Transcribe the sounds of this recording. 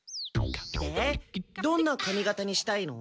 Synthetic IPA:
ned̪õ̞nːakamʲiɡat̪aɲ̟iɕi̥t̪aino

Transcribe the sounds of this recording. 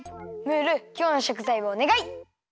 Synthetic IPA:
mɯ̟ːɾɯ̟kʲo̞ːnoɕok̬ɯ̟zaiβoːne̞ɡai

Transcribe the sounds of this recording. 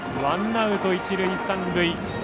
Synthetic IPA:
βanːaɯt̪oit͡ɕiɾɯisãŋɡɯi

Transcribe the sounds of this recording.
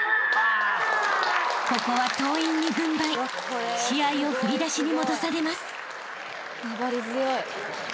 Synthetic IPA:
ko̞ko̞βat̪o̞ːĩɲːiɡɯ̟̃mbaioɾeɕiaio̞ɸɯ̟ɾʲid̪aɕiɲ̟imo̞d̪o̞saɾe̞masɨ̥ | abaɾʲizɨjoi

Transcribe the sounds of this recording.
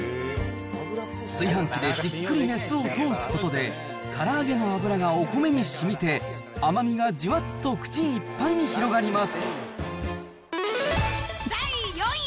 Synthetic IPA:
sɨiɦãŋkʲid̪e̞d͡ʑikːɯ̟ɾʲine̞t͡sɨo̞t̪o̞ːsɨ̥ko̞t̪o̞d̪e̞ | kʰaɾaːɡe̞no̞abɯ̟ɾaɡaokome̞ɲ̟iɕimʲit̪e̞ | amamʲiɡad͡ʑiβat̪ːo̞kɯ̟̥t͡ɕiːpːaiɲ̟içiɾo̞ɡaɾʲimasɨ̥

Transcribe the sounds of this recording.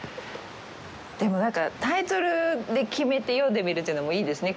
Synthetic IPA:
d̪̥e̞mo̞nãŋkat̪ait̪o̞ɾɯ̟d̪e̞kʲime̞t̪e̞jõ̞nd̪e̞mʲiɾɯ̟t̪ːoiɯ̟nomo̞iːd̪e̞sɨne̞

